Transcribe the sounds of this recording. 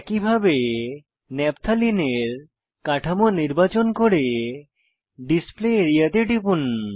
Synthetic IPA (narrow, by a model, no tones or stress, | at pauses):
ɛkibʱabe | nɛpt̪ʰalineɾ | kaʈʰamoniɾbat͡ɕonkoɾe | ɖispleeɾijat̪eɖipun